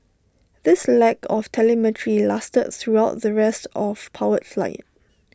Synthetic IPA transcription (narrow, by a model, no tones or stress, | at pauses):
ðɪslɛkʰɔftʰɛlɛmɛtʰəɹilastəd̚θɹuaʊt̚ðəɹɛstɔfpʰaʊətfla̰ɪt̚